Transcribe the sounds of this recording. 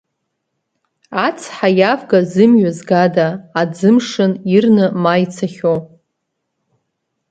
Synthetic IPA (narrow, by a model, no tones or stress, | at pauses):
at͡sʰħajavɡazɨmɥazɡadaːd͡zɨmʂɨnirnɨmajt͡sʰaχʲo